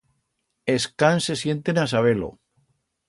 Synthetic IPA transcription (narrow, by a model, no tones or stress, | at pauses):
eskanse̞sje̞nt̪enasaβe̞lo̰